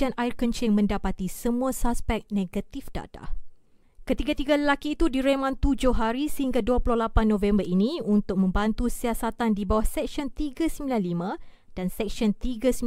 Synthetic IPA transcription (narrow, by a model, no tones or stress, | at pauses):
anaɪrkənt͡ʃɪŋmə̃ndapat̪isəmũasaspɛk̚nẽɡat̪ifda̰t̪a̰ | kət̪iɡat̪iɡaləlakiːt̪udiɾemãnt̪ud͡ʒʊhɦaɾisəhiŋɡaduapulʊhlapanːõvɛmbərʔiniunt̪ʊk̚mə̃mbant̪usiasat̪andibawahsɛk̚ʃɔnt̪iɡasəmilanlimã | d̥ansɛk̚siɔnt̪iɡas